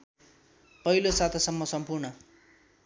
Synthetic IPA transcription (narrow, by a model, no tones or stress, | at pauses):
pʌɦilosat̪ʰʌsʌmːʌsʌmpurnʌ